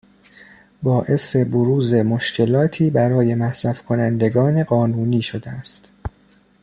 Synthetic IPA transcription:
bɒːʔe̞se̞boɾuːze̞moʃcʰe̞lɒːt̪ʰiːbæɾɒːje̞mæhsæfkʰo̞nænd̪e̞ɡɒːne̞ɢɒːnuːniːʃod̪eæst̪

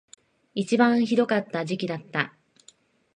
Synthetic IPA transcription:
it͡ɕibãɰ̃çid̪o̞kat̪ːaʑikʲid̪at̪ːa

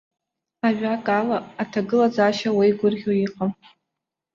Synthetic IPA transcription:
aʒᶣakʼalaːtʰaɡɨlad͡zaʃawejɡʷʊrɡʲoiqʼam

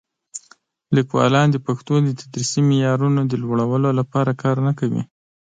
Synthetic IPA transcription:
likwɑ̰lɑnd̪əpaxt̪od̪ət̪ʰad̪ɾisimɪjɑɾunod̪əlwəɽawəlolapɑɾakɑɾnakawḭ

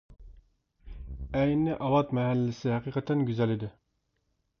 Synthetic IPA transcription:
ɛjnɪʔɑwɑt̪mɛɦælːɪsɪhɛqʰiqət̪ʰɛnɡʲyzɛlid̪ɪ

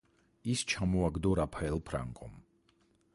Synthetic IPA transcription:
ist͡ʃʰamɔaɡd̪ɔɾapʰaɛlˠpʰɾa̰ŋkʼɔ̰m

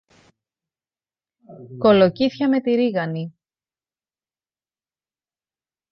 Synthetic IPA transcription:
ko̞lo̞ciθçɐme̞t̪iɾiɣɐni

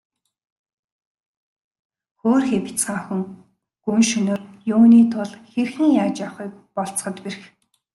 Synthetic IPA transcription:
xoːrxepʲi̥t͡sɢaːŋxɵ̆ŋ | ɡ̥uŋʃɵnʊ̆rjuːniːt̪ʰʊɮxerxɘ̆ŋjaːt͡ɕaχiːk̚pɔɬt͡s̆χə̆t̪perx

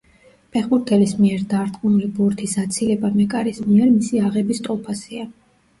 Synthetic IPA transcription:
pʰɛχbuɾt̪ʰɛlismiɛɾd̪aɾt̪ʼkʼunulibuɾt̪ʰisat̪sʰilɛbamɛkʼaɾismiɛɾmisiaʁɛbist̪ʼɔpʰasia

